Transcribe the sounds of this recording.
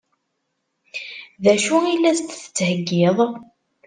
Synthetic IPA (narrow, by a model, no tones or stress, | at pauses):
ðæʃuilːæst̪ːθə̥t͡sːhəɡːɪðˤ